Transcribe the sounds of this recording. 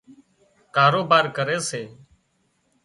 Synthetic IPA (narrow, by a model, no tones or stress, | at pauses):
kaːɾoːbaːɾkəɾeːseː